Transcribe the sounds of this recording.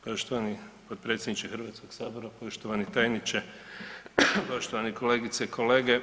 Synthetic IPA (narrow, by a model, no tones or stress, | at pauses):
po̞ʃt̪oʋanipod̪̚pɾe̞t̪sʲjed̪nit͡ʃixɾʋaːt̪sko̞ɡ̥saːboɾapo̞ʃt̪oʋanit̪ajnit͡ʃe | po̞ʃt̪oʋaniko̞leːɡit̪seikʰo̞le̞ːɡe